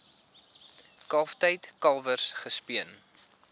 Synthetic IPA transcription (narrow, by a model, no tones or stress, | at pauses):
kɐlftəjtkɐlˠvərsχəspiən